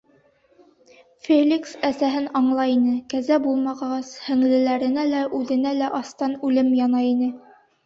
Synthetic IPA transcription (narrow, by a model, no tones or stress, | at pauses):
fʲelʲiksæsæɦɘnɑɴlˠɑinɘkæzæbulˠmɑʁɑʁɑshɘ̆ŋlɘ̆læɾɘ̆nælæʔʉðɘ̆nælæʔɑst̪ɑnʉlɘmjɑnɑinɘ